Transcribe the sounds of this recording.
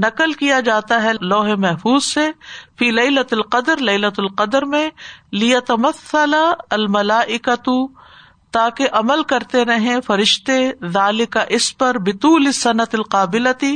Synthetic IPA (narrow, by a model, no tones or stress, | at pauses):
nɐqəlkijad͡ʒaːt̪aɦɛlɔːɦemɛɦfuːzsefiːlɐɪlɐt̪ɐlqɐd̪əɾlɐɪlɐt̪ɐlqɐd̪əɾmẽlɪjɐt̪ɐmɐθːɐlaɐlmɐlaːʔɪkɐt̪ʊ | t̪aːkeʔɐməlkɐɾt̪eɾɐɦẽfɐɾɪʃt̪eðaːlɪkaʔɪspɐɾbɪt̪uːlɪsːɐnɐt̪ɪlqaːbɪlɐt̪i